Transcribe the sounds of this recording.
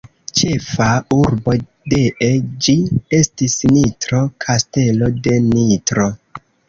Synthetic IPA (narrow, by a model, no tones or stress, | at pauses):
t͡ʃe̞fauɾbo̞ | deʔed͡ʒie̞stisnitɾo̞kʰaste̞lo̞de̞nitɾo